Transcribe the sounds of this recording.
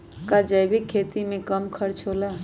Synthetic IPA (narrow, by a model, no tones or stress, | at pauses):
kad͡ʒəjbikʰːeːt̪imẽkəmkʰəɾt͡ʃʰola